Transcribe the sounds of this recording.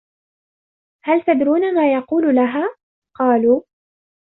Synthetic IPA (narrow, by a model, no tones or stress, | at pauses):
halt̪ad̪ɾuːnamaːjɑquːlʊlaɦaː | qɑːluː